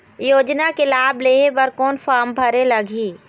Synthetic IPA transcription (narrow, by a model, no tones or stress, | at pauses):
joːd͡ʒnakelaːbleːepɐɾkɔːnfʰaːɾmbʱɐɾelɐɡʱiː